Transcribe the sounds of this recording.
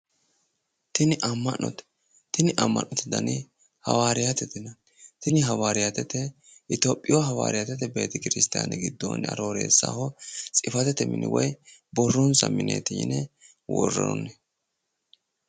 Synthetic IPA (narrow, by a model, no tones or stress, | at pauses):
t̪ɪnɪʔɐmːɐnːɔ̰t̪ɛ̥ | t̪ɪnɪʔɐmːɐ̰nːɔt̪ːɛd̪ɐnɪ | hɐ̰waːɾɪjɐt̪ɛt̪ɪnɐ | t̪ɪnɪɦɐwaːɾɪjat̪ɛt̪ːɛ | ʔɪt̪oːpʼːɪjwɔɦɐwa̰ːɾɪjɐt̪ɛt̪ːɛbe̞ːt̪ɪkɪɾɪst̪a̰ːnɛɡɪd̪ːo̰nɐ̰ɾoːɾḛːsːa̰ːhɔt͡sʼɪfɐt̪ɛt̪ːɛmɪnʔɪ̰wɔjbɔrːɔnsɐ̰mɪnḛːt̪iɪ̰nɛ | wɔ̰rːɔ̰ɾɔnːɛ